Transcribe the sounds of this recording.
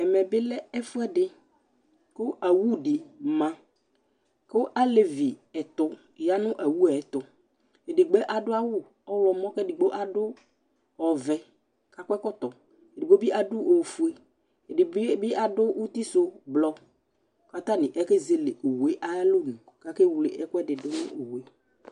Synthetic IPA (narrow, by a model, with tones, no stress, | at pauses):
ɛ˨mɛ˨bɪ˦lɛ˦ɛ˦fʊ˦ɛ˦ɖɪ˦ | kʊ˦a˨wu˦ɖɪ˨mã˦ | kʊ˦ʔa˦le˨vi˨ɛ˨t̪ʊ˨ | ja˦nʊ̃˦ʔa˨wu˦ɛ˨˦t̪ʊ˨ | e˨dɪ˨ɡ͡be˦ʔa˨dʊ˦a˦wʊ˦˨ | ɔ˦wɔ˨mɔ̃˦kɛ˦dɪ˨ɡ͡bo˦ʔa˨dʊ˦ | ɔ˨vɛ˨ | ka˦kʷɛ˦kɔ˦t̪ɔ˨ | e˨dɪ˨ɡ͡bo˦bi˦ʔa˨dʊ˦ʔo˨fu˦e˦ | e˨ɪ˨˦bɪ˦a˦dʊ˦wu˦t̪i˦so˦blɔ˦ | ka˦t̪a˦nɪ̃˨ʔɛ˦ke˦ze˦le˨ʔo˨we˦ʔa˦lo˦nʊ̃˨ | ka˦ke˦wle˨ʔɛ˦kʊ˦ɛ˦dɪ˨dʊ˦nʊ̰̃˦o˨we˦